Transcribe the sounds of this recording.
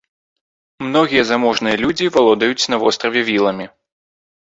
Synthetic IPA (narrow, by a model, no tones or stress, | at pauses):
mnɔɣʲijɐzamɔʐnɨjɐlʲud͡zʲivalˠɔd̪ɐjut͡sʲn̪ɐvɔst̪ɾɐvʲɛvʲilˠɐmʲi